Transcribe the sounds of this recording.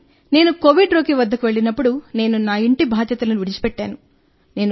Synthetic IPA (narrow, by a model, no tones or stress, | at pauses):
ne̞ːnuko̞ʋiɖɾoːkiʋɐd̪ːɐkuʋe̞ɭinɐpːuɽune̞ːnunaːiɳʈibʱaːd̪jɐt̪ɐlɐnuʋiɽit͡ʃi̥pɛʈːaːnu | ne̞ːn